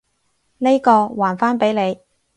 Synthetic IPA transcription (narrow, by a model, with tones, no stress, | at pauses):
ne˥jkɔː˧waː˨˩nfaː˥npe˨˥jle˨˧j